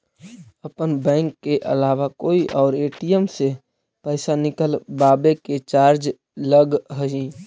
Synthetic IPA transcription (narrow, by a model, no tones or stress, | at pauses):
əpənbɛ̃ːŋkːeʔə̰laːʋakoːiʔɔːɾeːʈijəmse | pəɪsanɪkəlbaːbeket͡ʃaːɾd͡ʒ | ləɡɦəɦĩ